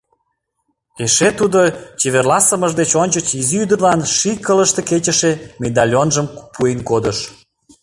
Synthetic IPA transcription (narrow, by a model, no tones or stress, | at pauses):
eʃet̪ud̪ot͡ɕeβerlɑsəməʒd̪et͡ɕonʲt͡ɕət͡ɕiziyd̪ərlɑnʃikələʃt̪eket͡ɕə̆ʃemed̪ɑlʲonʒəmpuenkod̪əʃ